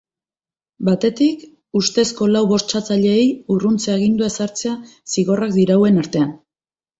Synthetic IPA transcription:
bat̪e̞t̪ik | ust̪e̞sko̞lawβo̞st͡ʃat͡saʎe̞ːjurunt͡seaeɣ̞ind̪uesaɾt͡se̞asiɣo̞rak̚d̪iɾawe̞naɾt̪e̞an

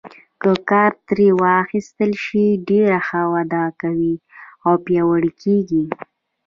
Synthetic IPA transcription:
kəkɑɾt̪ɾewaxist̪əlʃiɖeɾaxawad̪ɑkawiawpjɑwəɽikʰeɡi

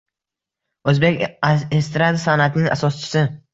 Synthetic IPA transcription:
ɵzbe̞kʲest̪ɾad̪asanat̪ɪnɪŋa̰sɒst͡ʃʰɪ̥sɪ

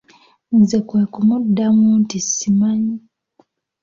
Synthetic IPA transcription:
nzekweːkumudːamuntisimaɲi

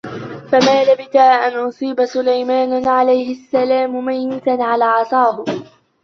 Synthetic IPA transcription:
famaːlabɪt̪aːʔanʔʊsˤiːbasʊlajmaːnʕalajhɪasːalaːmʊmajnɪt̪anʕalaːʕɑsˤɑːhʊ

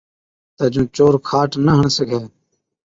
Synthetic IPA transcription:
t̪əd͡ʒũːt͡ʃoːɾkʰaːʈnəɦəɳsəɡʱeː

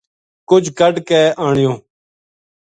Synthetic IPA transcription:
kʊd͡ʒʱkəɖkɛːʔaːɳɪjõː

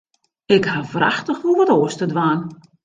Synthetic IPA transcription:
ɪkhavraxtəxʋulˠʋɔtoəstədʋaːn

